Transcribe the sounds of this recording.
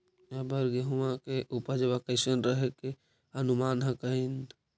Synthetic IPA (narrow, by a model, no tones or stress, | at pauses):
əbəɾɡeɦumãkeʔupəɾd͡ʒəbakəɪsənɾəɦeke | ənumanɦə̃kəɦin